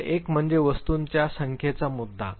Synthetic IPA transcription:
ekm̤əɳd͡zeʋəst̪uːnt͡ɕjasəŋkʰjet͡samud̪ʱːa̰

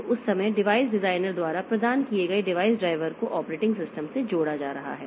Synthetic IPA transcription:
ʊsːɐməjɖɪʋaːɪsɖɪzaːɪnəɾd̪waːɾapɾɐd̪aːnkieɡɐeɖɪʋaːɪsɖɾaːɪʋəɾkoʔɔːpɾeːʈɪ̃ŋɡsɪsʈəmsed͡ʒoːɽad͡ʒa̰ːɾɐɦa̰ɦɛː

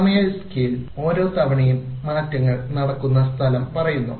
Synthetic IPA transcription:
mɐjɐskilo̞ːɾo̞ːt̪ɐʋɐɳijumːaːtːɐŋːɐɭnɐɽɐkːunːɐst̪ʰɐlɐmpɐrɐjunːṵ

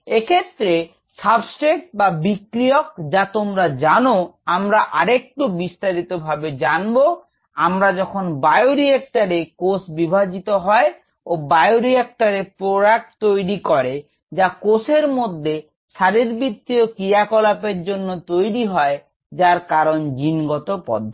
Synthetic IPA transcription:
ekʰet̪ːɾe | sabsʈekʈbabikɾijok̚d͡ʑat̪omɾad͡ʑanoamɾaʔaɾek̚ʈubist̪aɾit̪obʱabed͡ʑanbo | amɾad͡ʑɔkʰonbaejoɾiek̚ʈaɾekosbibʱad͡ʑit̪oɦɔe | obaejoɾiek̚ʈaɾepɾoɽak̚ʈ̚t̪ojɾikɔɾe | d͡ʑakoseɾmod̪ʱːe | ʃaɾiɾbit̪ːiokɾijakɔlapeɾd͡ʑonːot̪ojɾiɦɔe | d͡ʑaɾkaɾond͡ʑinɡɔt̪opɔ̰d̪ʱːo

